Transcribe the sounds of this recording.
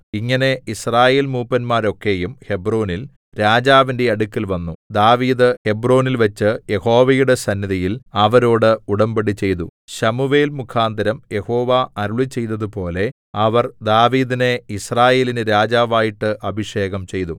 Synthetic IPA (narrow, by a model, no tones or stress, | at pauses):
iŋːɐne̞israːje̞ːlmuːpːɐnmaːɾo̞kːe̞jumhe̞broːnil | ɾaːd͡ʑaːʋinde̞ɐɽukːilʋɐnːud̪aːʋiːd̪ɨhe̞broːnilʋɐt͡ɕːɨje̞ho̞ːʋɐjuɽe̞sɐnːiðɐjilɐʋɐɾo̞ːɽɨuɽɐmbeɽit͡ɕːe̞jt̪uɕɐmuʋe̞ːlmukʰaːnd̪ɐɾɐmje̞ho̞ːʋaɐɾuɭit͡ɕːe̞jt̪ːɐðɨpo̞ːle̞ | ɐʋɐrd̪aːʋiːðine̞israːje̞ːlinɨɾaːd͡ʑaːʋaːjiʈːɨʔɐbʱiʂe̞ːɣɐmt͡ɕe̞jt̪u